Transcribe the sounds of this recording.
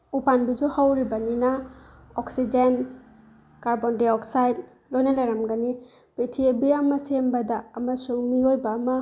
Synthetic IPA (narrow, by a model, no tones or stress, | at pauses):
upanbizɔhawɾibanina | ɔksid͡ʒen | kaɾbɔndeɔksajd | lojnalaɾamɡani | pɾitʰiebiamasembadaːmasumiojbaːma